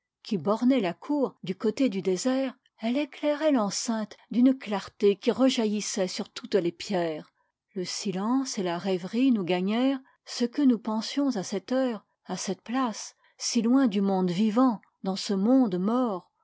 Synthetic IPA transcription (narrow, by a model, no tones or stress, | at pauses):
kʲibɔʁnɛlakʰuːʁd̪ykot̪ed̪yd̪ezɛːʁ | ɛleklɛʁɛlɑ̃sɛ̃t̪d̪ynklaʁt̪ekʲiʁəʒajisɛsyʁt̪ut̪lepjɛːʁ | ləsilɑ̃selaʁɛvʁinuɡaɲɛʁ | səkənupɑ̃sjɔ̃zasɛt̪œːʁ | asɛt̪̚plasː | ilwɛ̃d̪ymɔ̃d̪vivɑ̃ | d̪ɑ̃səmɔ̃d̪mɔːʁ